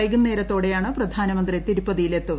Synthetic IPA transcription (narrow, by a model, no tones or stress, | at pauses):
ɐjɡunːe̞ːɾɐt̪ːo̞ːɽe̞jaːɳɨprɐd̪ʱaːnɐmɐnd̪rit̪iɾupːɐðijile̞t̪ːuɣɐ